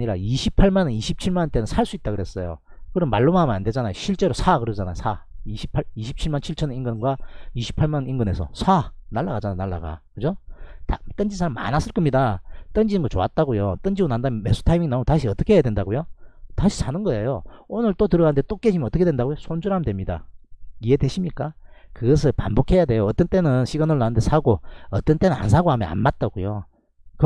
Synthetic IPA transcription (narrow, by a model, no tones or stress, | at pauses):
ɲiɾa̰iɕʰipʰaɭmanɯniɕʰip̚t͡ɕʰiɭmannt͈e̞nɯnsʰaɭs͈uit̚t͈aɡɯɾe̞s͈ʌjo̰ | kɯɾʌnma̰ɭːomamnande̞d͡ʑanajoɕʰiɭt͡ɕ͈e̞ɾosʰakɯɾʌd͡ʑana̰josʰaiɕʰi̥pʰaɭiɕʰip̚t͡ɕʰiɭmant͡ɕʰiɭt͡ɕʰʌniŋɡɯnɡwaiɕʰi̥pʰaɭmanniŋɡɯne̞sʰʌ̰sʰanaɭːaɡad͡ʑanajonaɭːa̰ɡa̰kɯd͡ʑotat͈ʌnd͡ʑinsʰamːa̰nas͈ɯɭk͈ʌmɲidat͈ʌnd͡ʑinɯnɡot͡ɕoa̰t̚t͈aɡojo̰t͈ʌnd͡ʑiɡonandamjnme̞sʰu̥tʰaimiŋnataɕ̬ʰiʌt͈ʌ̥kʰeejadwe̞ndaɡojotaɕʰisʰanɯnɡʌejoonɯɭt͈otɯɾʌanɯndet͈ok͈e̞ɕimjnʌt͈ʌkʰdwendaɡojosʰond͡ʑuɾamdwe̞mɲida̰ije̞dwe̞ɕʰimɲik͈akɯɡʌs̬ʰɯɭpa̰nbokʰe̞jadwe̞joʌt͈ʌnt͈e̞nɯnɕʰiɡanɯɭːanɯnde̞sʰaɡoʌt͈ʌnt͈e̞nɯna̰nsʰaɡoɦamjʌna̰nmat̚t͈aɡojo | k